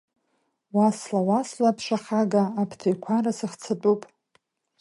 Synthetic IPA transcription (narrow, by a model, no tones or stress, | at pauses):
waslawaslapʰʂʷaχaɡaːpʰtʰejkʷʰarasɨχt͡sʰatʼupʼ